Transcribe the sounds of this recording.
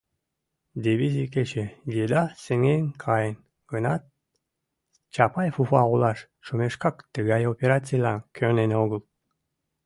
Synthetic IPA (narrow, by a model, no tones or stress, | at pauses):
d̪ʲiβizʲiket͡ɕejed̪ɑseŋeŋkʰɑjən | ɡ̥ənɑt̪̚ | t͡ɕɑpɑjfufɑʁulˠɑʃ | ʃomeʃkɑkt̪əɣɑjopʲeɾat͡sʲijlɑ̰nkʲʰøɾneneoɣəlˠ